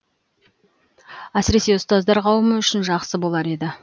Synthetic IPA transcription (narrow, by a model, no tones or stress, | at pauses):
æsɪɾe̞se̞ʊst̪ɑzd̪ɑɾqʰɑwəməʏʃɪnʒɑqsəbo̞lˠɑɾe̞d̪ɪ